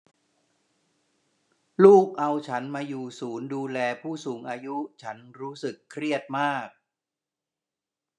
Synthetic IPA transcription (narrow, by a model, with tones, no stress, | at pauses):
luː˥˩k̚ʔa˧wt͡ɕʰa˦˥nmaː˧juː˨˩suː˩˦nduː˧lɛː˧pʰuː˥˩suː˩˦ŋʔaː˧ju˦˥t͡ɕʰa˦˥nɾuː˦˥sɯ˨˩kʰːɾi˥˩ət̪̚maː˥˩k̚